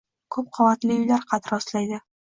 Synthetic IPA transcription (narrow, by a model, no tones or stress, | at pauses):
kʰɵp̚qʰovat̪lɪʊjlaɾqʰɑt̪ɾɒslajd̪ɪ